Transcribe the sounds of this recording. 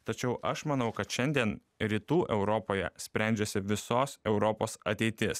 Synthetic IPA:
t̪ɐt͡ʃʲɛʊʔɐʃmɐnɒʊkɐt̪ʃʲɛnʲd̪ʲiɛn | ɾʲiːt̪uːʔɛʊɾɔpoːjɛ̰sʲpʲɾʲæˑnʲd͡ʒʲɛsʲɪʋʲɪsoːsɛʊɾɔpoːsɐt̪ʲɛɪt̪ʲɪs

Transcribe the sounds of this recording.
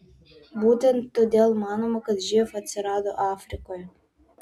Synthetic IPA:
but̪ʲent̪ːod̪ʲelʲˠmɑnomɐkɐt̪ʒifɐt̪ʲt͡s̪ʲeɾɑd̪oʔɑfɾʲikoj

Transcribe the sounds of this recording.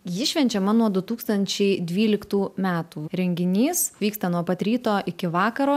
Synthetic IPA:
jɪʃʲʋʲɛnʲt͡ʃʲɛmɐnuɔd̪ʊt̪uːkst̪ɐnʲt͡ʃʲɛɪd̪ʲʋʲiːlʲɪkt̪uːmʲæːt̪uːɾʲɛŋʲɡʲɪnʲiːsʋʲiːkst̪ɐnuɔpɐt̪ʲɾʲiːt̪oːʔɪkʲɪʋɑːkɐɾoː

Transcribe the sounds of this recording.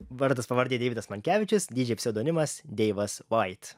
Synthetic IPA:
ʋɐɾt̪ɐspɐʋɐɾʲd̪ʲiːd̪ʲɛʋʲɪd̪ɐsmɐŋʲkʲæːʋʲɪt͡ʃʲʊsd̪ʲiːd͡ʒʲɛɪɐpʲsʲɪd̪oːnʲɪmɐsd̪ʲɛɪʋɐsʋɐɪt̪

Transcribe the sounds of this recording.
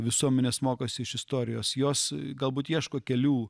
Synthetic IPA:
ʋʲɪsuɔmʲɛnʲeːsmoːkoːsʲɪɪʃɪst̪oːɾʲɪjoːsjoːsɡɐlˠbuːt̪jiɛʃkoːkʲɛlʲuː

